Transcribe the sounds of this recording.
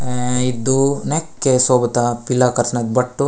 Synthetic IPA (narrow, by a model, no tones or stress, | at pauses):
id̪unekːesoːbɐt̪ɐpilːaːkɐɾsnɐd̪̚bɐʈːu